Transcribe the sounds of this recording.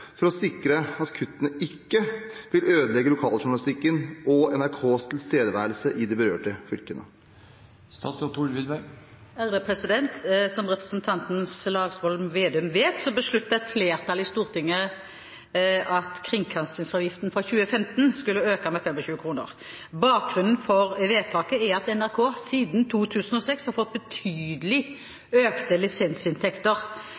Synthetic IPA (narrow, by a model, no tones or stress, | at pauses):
fɔɾɔsɪkɾəɑt̪kʰʉt̪ːənəɪkːəʋɪløːd̪əlɛɡːəlʊkʰɑːlʂʊɾɳɑlɪst̪ɪkːənʔɔɛnæɾkʰoːst̪ʰɪlst̪eːd̪əʋæːɾlsəʔɪd̪ɛbəɾø̰ːʈəfʏlkənə | st̪ɑːt̪sɔt̪ʰuɖʋɪd̪bæ | æʁd̪əpʰʁɛsɪd̪ɛnt̪sɔmʁɛpʁəsnt̪ʰɑnt̪n̩slɑːɡsʋɔlmʋeːd̪ɛʉmʋeːt̪sɔbəsɭʉt̪ːəɛt̪fleːʁt̪ʰɑlɪst̪uːʁt̪ʰɪŋːə | ʔɑt̪kʰʁɪŋkʰɑnst̪ɪŋsɑʋjɪft̪nfɔçʉːəfɛmt̪nskʉlːəøːkɑmɛfɛmɔɕʉːəkʰʁuːnə̰ʁ | bɑːk̚ɡʁʉnn̩fɔʁʋeːt̪ʰɑːkəɛɾɑt̪ɛnæʁkʰoːsiːd̪nt̪ʰuːt̪ʰʉːsən̩ɔsɛkshɑʁfɔt̪̚ːbət̪ʰyːd̪əlɪ | øːkt̪əlɪsɛnsɪnt̪ʰɛkt̪əʁ